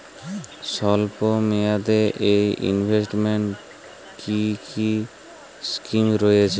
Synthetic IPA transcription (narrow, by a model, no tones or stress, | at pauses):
ʃɔlpomead̪eʔejḭnbʱesʈmeɳʈ | kʰiki | skimɾojet͡ɕʰe